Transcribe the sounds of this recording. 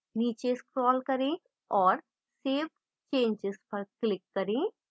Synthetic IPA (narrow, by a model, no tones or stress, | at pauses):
niːt͡ʃeskɾɔːlkɐɾẽː | ɔːɾ | seːb | t͡ʃẽːɲd͡ʒɪzpɐɾklɪkːɐɾẽː